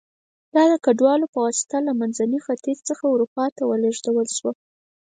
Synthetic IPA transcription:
d̪̥ɑd̪əkaɖwɑlopəwɑsɪ̥t̪alamanzanixat̪izt͡səxauɾupɑt̪awəleʒd̪awəlʃwa

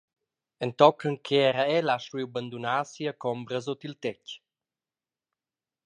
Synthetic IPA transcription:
ənt̪ɔkəŋkʰeɛɾaɛlaʃwiwbənd̪unaːsiəkɔmbɾəzot̪ilt̪ɛc

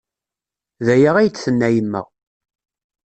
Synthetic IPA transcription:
ðæjəʁæjt͡sːθənːæjəmːə̰ʁ

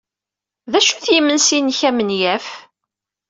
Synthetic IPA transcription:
ðæʃuθjimənsinçæmənjæf

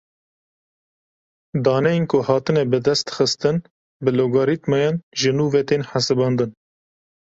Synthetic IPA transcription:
d̪ɑːnɛjenkʰʊhɑːt̪ɨnɛbɨd̪ɛst̪xəst̪ɨn | bɨloɡoːɾit̪mɑjɑːnʒɨnuːvɛt̪eːnħasɨbɑːnd̪ɨn

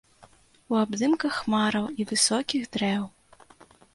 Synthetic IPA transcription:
uabd̪ɨmkɐxmaɾɐwivɨsɔkʲiɣd̪ɾɛw

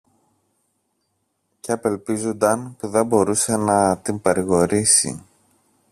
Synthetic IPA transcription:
ceɐpe̞lpizund̪ɐnpuðe̞mbo̞ɾuse̞nɐt̪impɐɾiɣo̞ɾisḭ

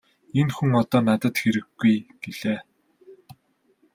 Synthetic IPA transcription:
enxuŋɔt̪ɔːnat̪ə̆t̪xeɾɘ̆ɡːujɡ̥eɮ̥eː

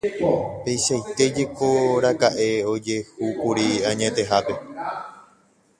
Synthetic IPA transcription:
pe̞jʃajt̪e̞d͡ʒe̞ko̞ɾakaʔe̞o̞d͡ʒe̞hukuɾiãɲẽ̞t̪e̞ɦape̞

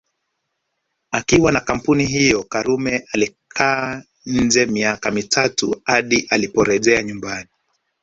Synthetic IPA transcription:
akiwanakam̩puniɦijɔkaɾumɛʔalikʰaː | n̩d͡ʒɛmiakamitʰatuhaɗiʔalipɔɾɛʄɛaɲumbani

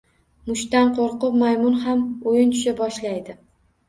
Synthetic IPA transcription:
mʊʃt̪anqʰoɾqʊpmajmʊnhamojɪnt̪ʰʊ̥ʃabɒʃlajd̪ɪ

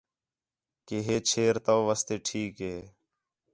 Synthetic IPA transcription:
keːɦeːt͡ʃʰeːɾt̪əʋʋəst̪eːʈʰiːkɦeː

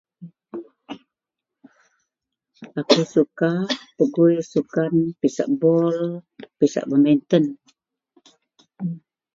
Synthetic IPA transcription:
akusukapəɡujsukanpisa̰ʔbɔlpisa̰ʔbəment̪ən

